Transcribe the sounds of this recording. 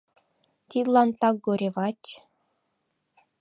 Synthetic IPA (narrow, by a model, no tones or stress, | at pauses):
t̪ʲit̪ʲlˠɑnt̪ɑk̚ɡuɾʲeʋɑtʲ